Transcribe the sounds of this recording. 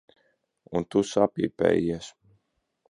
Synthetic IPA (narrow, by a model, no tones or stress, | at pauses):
unt̪usapipɛ̰ːjiɛs